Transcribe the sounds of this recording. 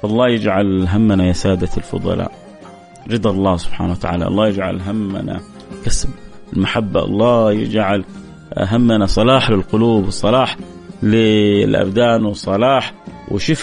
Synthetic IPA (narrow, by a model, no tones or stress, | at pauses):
ʔɑlˤːɑːjɪd͡ʒʕalɦamːanajasaːd̪alfʊ̰d̪ˤɑ̰lɑ̰ːʔ | ɾɨd̪ˤɑlˤːɑːhsʊ̥b̥ħa̰ːnawat̪a̰ʕa̰ːlaʔɑ̰lˤːɑːjɪd͡ʒʕa̰lɦamːa̰na̰ | kasb | ɪlmaħabːaʔɑ̰lˤːɑːjɪ̰d͡ʒʕal | ɦamːanasˤɑlɑːħlɪlqʊluːbwɨsˤːɑlɑːħ | lɪlʔa̰bd̪aːnwɨsˤːɑlɑːħwɪ̰ʃɪf